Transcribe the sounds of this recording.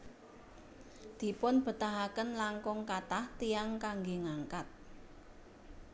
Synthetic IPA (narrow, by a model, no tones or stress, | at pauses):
d̪̥i̤pʊnb̥ə̤t̪aɦakənlaŋkʊŋkat̪aht̪ijaŋkaŋɡeŋaŋkat̪̚